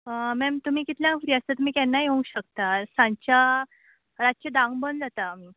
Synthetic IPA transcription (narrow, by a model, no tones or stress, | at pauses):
əmɛmt̪um̤iːkit̪ljãŋfɾiːəst̪ət̪um̤iːkɛnːajoŋɡɕəkt̪asãɲt͡ɕa | ɾat̪t͡ɕed̪ãŋɡbənd͡zat̪aːm̤iː